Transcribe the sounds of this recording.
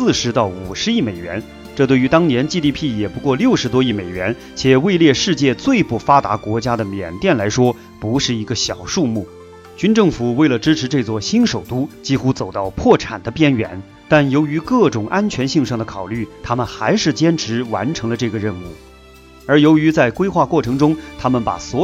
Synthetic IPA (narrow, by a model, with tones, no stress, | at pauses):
sɹ̩˥˩ʂɻ̩˧˥t̪ɑ˥˩ʊu˨˩ʂɻ̩˧˥i˥˩me˨˩ɪɥɛ̰˧˥n | ʈ͡ʂɤ˥˧t̪we˥˩ɪy˧˥t̪ɑ˥ŋnjɛ˧˥nt͡ɕi˥˧t̪i˥˧pʰi˥˩jɛ˨˩pu˧˥kwɔ˥˧ljo˥˩ʊʂɻ̩˧˥t̪wɔ˥i˥˩me˨˩ɪɥɛ˧˥n | t͡ɕʰjɛ˨˩we˥˧ɪljɛ˥˧ʂɻ̩˥˧t͡ɕjɛ˥˧t͡swe˥˧ɪpu˥˩fa˥t̪a̰˧˥kwɔ˧˥t͡ɕja˥d̪ə˨mjɛ̰˨˩nt̪jɛ˥˩nla˧˥ɪʂwɔ˥ | pu˧˥ʂɻ̩˥˩i˧˥ɡə˧ɕjɑ˨˩ʊʂu˥˧mu˥˩ | t͡ɕy˥nʈ͡ʂɤ˥˩ŋfu˨˩we˥˩ɪlə˩ʈ͡ʂɻ̩˥ʈ͡ʂ̩ʰ˧˥ʈ͡ʂɤ˥˧t͡swɔ˥˩ɕi˥nʂo˨˩ʊt̪u˥t͡ɕi˥xu˥t͡so˨˩ʊt̪ɑ˥˧ʊpʰwɔ˥˩ʈ͡ʂʰa̰˨˩nd̪ə˦pjɛ˥nɥɛ̰˧˥˦n | t̪a˥˩njo˧˥ʊy˧˥kɤ˥˩ʈ͡ʂʊ˨˩ŋʔa˥nt͡ɕʰɥɛ˧˥nɕi˥˧ŋʂɑ˥˩ŋd̪ə˩kʰɑ˨˩ʊly˥˩t̪ʰa˥mə˨nxa˧˥ɪʂɻ̩˥˩t͡ɕjɛ˥nʈ͡ʂʰɻ̩˧˥wa̰˧˥nʈ͡ʂʰɤ˧˥ŋlə˧ʈ͡ʂɤ˥˩ɡə˩ɻə˥˧nu˥˩ | ə˞˧˥jo˧˥ʊy˧˥t͡sa˥˩ɪkwe˥ɪxwa˥˧kwɔ˥˩ʈ͡ʂʰɤ˧˥ŋʈ͡ʂʊ˥ŋt̪ʰa˥mə˨npa̰˨˩swɔ˧˥